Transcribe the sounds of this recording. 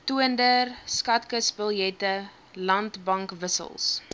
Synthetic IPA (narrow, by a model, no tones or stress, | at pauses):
tuəndərskɐtkəsbəlˠjɛtə | lɐntbɐŋkvəsə̰lˠs